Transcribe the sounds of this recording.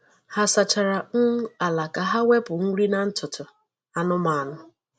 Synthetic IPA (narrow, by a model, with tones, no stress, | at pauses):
ha˦sa˨t͡ʃa˨ɾa˨ŋ̩˦a˨la˨ka˨ɦa˦we˦pʊ˨ŋ̩˦ɾi˦na˨n̩˦tʰʊ˨tʊ˨ | a˨nʊ˦ma˨nʊ˦